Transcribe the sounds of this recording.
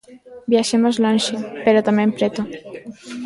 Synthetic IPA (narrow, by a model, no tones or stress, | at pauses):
bjaʃemozlonʲʃepeɾot̪amẽmpɾet̪u